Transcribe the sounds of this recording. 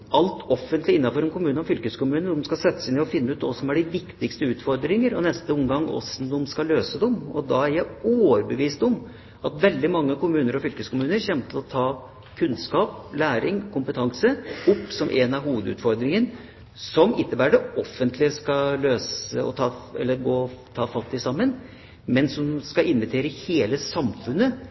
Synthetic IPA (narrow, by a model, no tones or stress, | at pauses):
ɑlt̪ʰɔfːənt̪lɪɪnːɑfɔɾɛnkʰʊmʉːnɔfʏlkəskʊmʉːnənɔmskɑsɛt̪ːə̥sɪnɪɔfɪnːəʉːt̪ɔsɔmæɖɪʋɪkt̪ɪkst̪əʉːt̪fɔɾd̪ɾɪŋəɾɔ̰nɛst̪əʊmɡɑŋːɔ̰snd̪ɔmskɑløːsəd̪ɔmɔd̪ɑæɾjæɪoːɾbəʋiːst̪ɔm | ʔɑt̪ʋɛld̪ɪmɑŋːəkʊmʉːnəɾɔfʏlkəskʊmʉːnəɾçɛmt̪ʰɪlɔt̪ʰɑː | kʰʉnskɑːplæːɾɪŋkʰʊmpət̪ʰɑŋsəʊpːsɔmʔɛnɑɦuːʋəd̪ʉ̰ːt̪fɔɾd̪ɾɪŋən | sɔmɪnːəbæːɖəɔfːənt̪ʰlɪəskɑløːsəɔ̰t̪ʰɑːɛ̰lːəɾɡoːt̪ʰɑːfɑt̪ːɪsɑmːən | mɛnsɔmskɑʔɪnʋət̪ʰeːɾəheːləsɑmfʉnːə